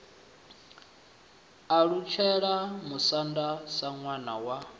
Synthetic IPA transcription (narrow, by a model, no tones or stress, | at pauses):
aɺut͡ʃʰɛɺamusandasaŋwanawa